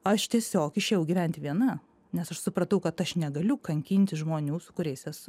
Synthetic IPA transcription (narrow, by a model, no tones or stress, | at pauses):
ɐʃt̪ʲiɛsʲoːkɪʃʲeːjɛʊɡʲiʋʲæˑnʲt̪ʲɪʋʲiɛnɐ | nʲɛsɐʃsʊpɾɐt̪ɐʊkɐt̪ɐʃnʲɛɡɐlʲʊkɐŋʲkʲinʲt̪ʲɪʒmoːnʲuːsʊ̥kʊɾʲɛɪsɛsʊ